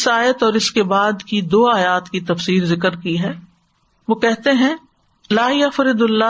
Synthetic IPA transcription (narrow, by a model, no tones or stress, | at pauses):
ɪsaːjət̪ɔːɾɪskebaːd̪kid̪oːaːjaːt̪kit̪ɐfsiːɾzɪkəɾkiɦɛː | ʋoːkɛɦt̪eɦɛ̃ | laːjɐfɾɪd̪ɐlːa